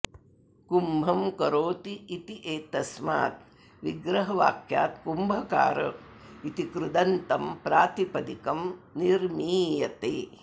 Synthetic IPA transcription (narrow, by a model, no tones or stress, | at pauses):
kumbʱɐmkɐɾoːt̪iːt̪iʔeːt̪ɐsma̰ːt̪̚ | ʋiɡɾɐɦɐʋa̰ːkja̰ːt̪kumbʱɐka̰ːɾɐ̰ | it̪ikɾud̪ɐnt̪ɐmpɾaːt̪ipɐd̪ikɐmniɾmiːjɐt̪eː